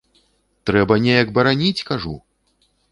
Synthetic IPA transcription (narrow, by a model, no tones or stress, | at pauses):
t̪ɾɛbɐnʲejɐkbɐɾanʲit͡sʲkaʐṵ